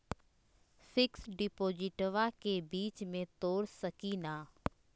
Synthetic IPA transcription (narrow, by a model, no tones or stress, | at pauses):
fɪksɖɪpoːd͡ʒɪʈʋakebiːt͡ʃmẽt̪oːɾsɐkinaː